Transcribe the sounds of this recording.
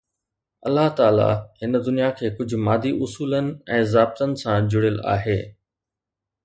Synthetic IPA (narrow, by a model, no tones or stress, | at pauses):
ɐlːaɦt̪aːla̰hɪnəd̪ʊnijakʰeːkʊd͡ʑʱʊ̆maːd̪iʔʊsuːlənɪ̆ɛ̃ːzaːb̚t̪ənɪ̆sãd͡ʑʊɽɪla̰ːɦeː